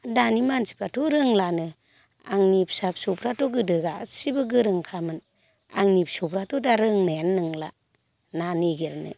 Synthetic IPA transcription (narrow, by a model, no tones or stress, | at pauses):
danimansi̥pɾatɔɾɯŋlanɯ | a̰ŋnip̚sap̚supɾatɔɡɯdɯɡasibɯɡɯɾɯŋkʰamɯn | a̰ŋnipsupɾatɔtaɾɯŋnajanːɯŋla | naneɡeɾanɯ̰